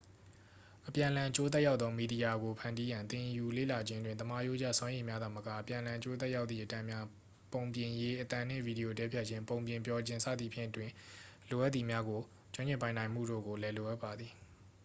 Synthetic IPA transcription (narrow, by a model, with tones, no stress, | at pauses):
ʔəpjã˨ʔəlã˨ʔət͡ɕo˦t̪̬ɛ˦ʔja˦ʊt̪t̪ðɔ˦mi˨di˨ja˨ɡo˨pʰã˨ndi˦jã˨nt̪ɪ̃˨ju˨lḛ˦˨la˨d͡ʑɪ̃˦ndwɪ̃˨nt̪əma˦˨jo̰˦d͡ʑä̰˦˨swã˦ʔẽ˨mja˦d̪a˨məka̰˦˨ʔəpjã˨əlã˨ʔət͡ɕo˦t̪ɛ˦ʔja˦ʊt̪θḭ˦˨ʔətã˦ʔmja˦ | põ˨ʊ̃mpjɪ̃˨je˦ʔət̪ã˨n̥ɪ̰̃˦˨vi˨di˨o˨tɛ˦pʰjɛ˦ʔ̚t͡ɕʰɪ̃˦mpõ˨ʊ̃mpjɪ̃˨mpjɔ˦d͡ʑɪ̃˦nsʰä̰˦˨d̪ðḭ˨pʰjɪ̰̃˦˨ʔətwɪ̃˨lo˨ʔa˦t̪θi˨mja˦ɡo˨ | t͡ɕʊ̃˦ɲɪ̃˦˨mpã˨nã˨ɪ̃m̥ṵ˦˨do̰˦˨ɡo˨lɛ˦lo˨ʔa˦ʔpːa˨d̪ði˨